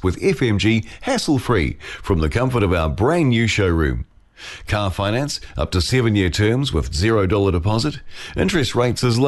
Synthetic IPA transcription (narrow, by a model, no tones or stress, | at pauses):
wɨðɛfɛ̃md͡ʒihæsl̩ˠfɹḭfɹʌ̃mðɨkʰʌ̃ɱfə˞ɾʌvaʊəbɹẽɪ̃nːjʉʃoʊɹʉ̰̃m | kʰɑɹfãɪ̃ñæ̃nsʔʌ̰p̚tɨsɛvɨ̃njɪɹtʰɜ̃˞mzwɪ̰ðzɪɹoʊdɔlˠəɾəpʰɑzɨɾɪ̃nt͡ʃɹ̥ɨst̚ɹeɪtsɨzl